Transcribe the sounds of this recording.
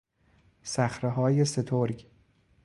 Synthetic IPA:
sæxɾeɦɒːjese̞t̪ʰoɾɡ

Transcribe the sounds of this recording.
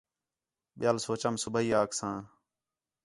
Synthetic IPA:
ɓɪjaːlsoːt͡ʃəmsʊbʱəɦiːaːksãː

